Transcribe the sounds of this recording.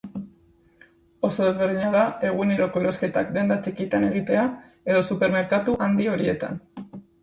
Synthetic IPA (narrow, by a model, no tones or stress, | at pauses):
o̞so̞ðe̞zβe̞ɾðiɲaðae̞ɣ̞une̞ɾo̞ko̞eɾo̞ske̞t̪a̰k̚d̪e̞nd̪at͡ʃikit̪ane̞ɣ̞it̪e̞a | e̞ðo̞supe̞ɾme̞ɾkat̪uʔand̪io̞ɾie̞t̪a̰n